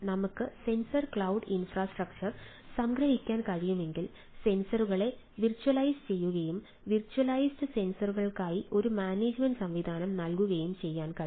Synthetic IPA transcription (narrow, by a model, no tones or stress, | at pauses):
nɐmukːɨse̞nsɐrkɭɐwɖinfraːsʈrɐk̚t͡ɕɐr | sɐŋɡɾɐɦikʲːaːnkɐɻijume̞ŋɡil | se̞nsɐruɣɐɭe̞ | ʋirt͡ɕːuɐlɐjst͡ɕe̞jːuɣɐjum | ʋirt͡ɕːuɐlɐjsʈɨse̞nsɐruɣɐɭkaːjiʔo̞ɾumaːneːd͡ʑmeɳɖsɐmʋid̪ʱaːnɐmnɐlkuɣɐjumt͡ɕe̞jːaːnkɐɻ